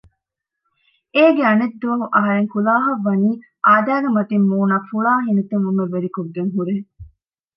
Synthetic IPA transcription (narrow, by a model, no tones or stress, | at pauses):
eːɡeɐned̪ːoːmuʔɐɦɐɾeŋkulaːɦɐʋːɐniː | ʔaːd̪æːɡemɐt̪imːuːnaːfuɭaːɦinet̪emumːeʋeɾikoɡːeŋɦuɾeː